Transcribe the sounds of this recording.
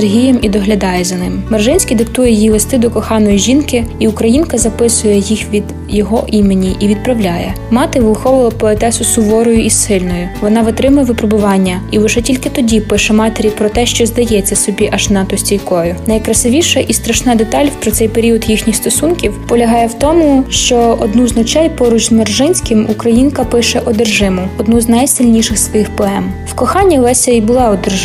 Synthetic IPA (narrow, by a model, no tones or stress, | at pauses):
erɦʲijɛmʔid̪ɔɦlʲɐd̪ɑjɛzɐnɪmmɐrʒɪnʲsʲkʲid̪ɪkt̪ujɛjilˠest̪ɪd̪ɔkɔxɑnɔjiʒinkɪiʊkɾɐjinkɐzɐpɪsʊjɛjixʋʲid̪ | jɔɦɔʔimenʲiʔiʋʲid̪̚pɾɐʋlʲɑjɛ | mɑt̪ɪʋɪlˠxɔʋʊlˠɐpɔɛt̪ɛsʊsʊʋɔɾɔjʊʔisːɪlʲnɔjʊʋɔnɑʋɪt̪ɾɪmʊjɛʋɪpɾebʊʋɑnʲːɐiʋɪʒɛtʲilʲkɪt̪ɔdʲipɪʃɛmɑt̪eɾʲipɾɔt̪ɛʃt͡ʃɔzd̪ɐjɛt͡sʲːɐsɔbʲiʔɐʒnɑt̪ɔsʲtʲijkɔjʊnɐjkɾɐsɪʋʲiʃɐʔist̪ɾɐʃnɑd̪et̪ɑlʲpɾɔt̪sɛjpeɾʲiɔd̪jixnʲixst̪ɔsunkʲiwpɔlʲɐɦɑjɛwt̪ɔmʊʃt͡ʃɔɔd̪nuznɔt͡ʃɛjpɔɾut͡ʃzmerʒɪnʲsʲkɪmukɾɐjinkɐpɪʃɛʔɔd̪erʒɪmʊɔd̪nuznɐjsɪlʲnʲiʃɪsʋɔjixpɔɛmwkɔxɑnʲːilˠɛsʲɐibʊlˠɑɔd̪er